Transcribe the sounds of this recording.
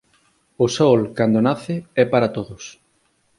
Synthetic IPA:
osɔlkand̪onaθɪɛpaɾat̪oðʊs

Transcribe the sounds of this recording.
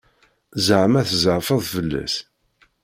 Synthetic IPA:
zʕmæθzəʕfəðˤfəlːæ̰s

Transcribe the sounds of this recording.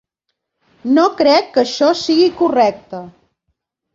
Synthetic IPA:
nokɾɛkːəʃɔsiɣikurɛk̚t̪ə

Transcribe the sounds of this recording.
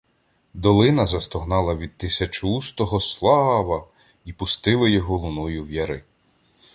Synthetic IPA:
d̪ɔlˠɪnɐzɐst̪ɔɦnɑlˠɐʋʲid̪̚t̪ɪsʲɐt͡ʃust̪ɔɦɔslˠɑʋɐ | ipʊst̪ɪlˠɪjɔɦɔlˠʊnɔjʊwjɐɾɪ

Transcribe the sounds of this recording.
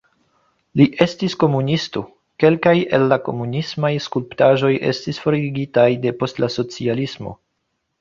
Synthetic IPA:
liʔe̞stisko̞munisto̞ | ke̞lkaje̞̰lːako̞̰munismajskulptaʒo̞je̞̰stisfo̞ɾiɡitajde̞po̞stlaso̞t͡sialismo̞̰

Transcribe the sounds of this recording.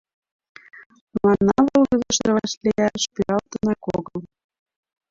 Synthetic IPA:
mɑnɑβɤ̆lɣɤ̆zɤ̆ʃɤ̆rβɑʃlʲejæʃpyɾɑlt̪ɤ̆nɑkoɣɤl

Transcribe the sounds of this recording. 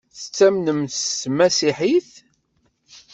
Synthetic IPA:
θət͡sːæmnəmsmæsiħiθ

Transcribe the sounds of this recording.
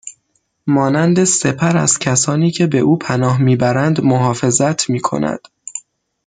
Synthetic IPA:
mɒːnænd̪e̞se̞pʰæɾæ̰z̥cʰæsɒːniːcʰe̞beʔuːpʰænɒːɦmiːbæɾænd̪moɦɒːfe̞zæt̪ʰmiːkʰo̞̰næ̰d̪̥

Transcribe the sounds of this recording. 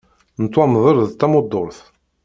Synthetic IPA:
nət̪ːwɑmðˤəɾðt̪ːæmʊd̪ːoɾθ

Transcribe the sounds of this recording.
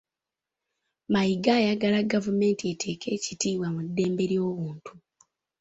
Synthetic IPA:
majiɡaːjaɡalaɡavume̞ːntie̞tʰe̞ːkʰe̞ːcitiːβwamudːe̞ːmbe̞ɾjo̞ːβuːntu̥

